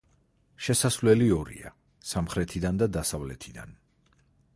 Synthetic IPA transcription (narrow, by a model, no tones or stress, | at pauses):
ʃɛsasvlɛliɔɾḭa̰ | samχɾɛt̪ʰid̪and̪ad̪asavlɛt̪ʰid̪a̰n